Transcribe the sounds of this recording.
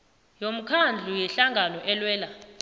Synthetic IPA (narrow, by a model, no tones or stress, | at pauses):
jom̩kʰand͡ɮʱujɛɬaŋɡʱanɔʔɛlwɛːla